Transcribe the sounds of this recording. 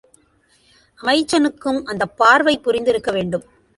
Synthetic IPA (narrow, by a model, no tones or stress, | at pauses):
ʔɐmɐɪt͡ʃːɐnɯkːɯmʔɐnd̪ɐpːaːɾʋɐɪpːʊɾɪnd̪ɪɾɯkːɐʋeːɳɖɯm